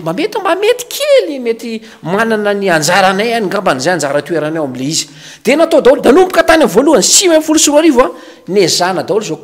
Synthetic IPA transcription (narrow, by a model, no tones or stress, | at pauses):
mamet̪imbamet̪i̥kʰelimet̪i | mananəniand͡zaɾanajaniŋɡambanzajand͡zaɾət̪ueɾanawamileizi̥ | d̪̥enat̪od̪awɾd̪anumpukat̪anʲamvoluansimamifulusuɾaɾiva | nezanad̪awɾizok